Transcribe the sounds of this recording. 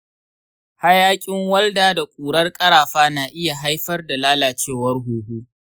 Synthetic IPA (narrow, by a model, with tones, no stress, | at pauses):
ha˦jaː˦kʲʼɪ˦ŋwɐ˦ldaː˦da˨kʷʼuː˨ɽɐ˦rkʼɐ˦ɾaː˨ɸaː˦naː˨ʔɪ˦ja˨ɦa˦jɸɐ˦rda˨laː˦laː˨t͡ʃeː˦˨wɐ˦rɦuː˨ɦuː˦